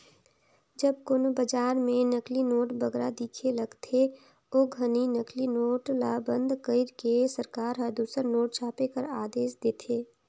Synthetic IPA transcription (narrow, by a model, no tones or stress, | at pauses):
d͡ʒəbkʊnobəd͡ʒaːɾmẽnəklinoːʈbəɡɾad̪iːkʰelɐɡt̪ʰe | oːɡʱəninəklinoːʈlaːbə̃nd̪kəɪɾkesəɾkaːɾɦəd̪uːsəɾnoːʈ̚t͡ʃʰaːpekəɾaːd̪eːsd̪eːt̪ʰeː